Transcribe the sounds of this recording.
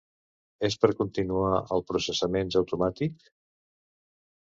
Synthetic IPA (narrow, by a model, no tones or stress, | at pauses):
espəɾkunt̪inuaʔəlˠpɾusəsəmenzəwt̪umat̪ik